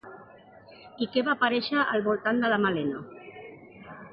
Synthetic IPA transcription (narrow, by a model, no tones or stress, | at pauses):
ikɛβapaɾɛʃəʔːlβulˠt̪and̪əlamaleno